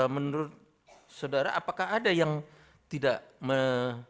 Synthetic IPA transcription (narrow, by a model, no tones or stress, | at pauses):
mənuɾʊt̪̚ | sawdaɾa̰ʔapakaɦadajaŋ | t̪idaʔmə